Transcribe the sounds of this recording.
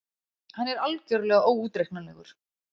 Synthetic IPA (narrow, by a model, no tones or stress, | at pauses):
hanːɛɾalcœɾlɛːɣaoːwuːt̪ɾehknanɛɣʏ̰ɾ̥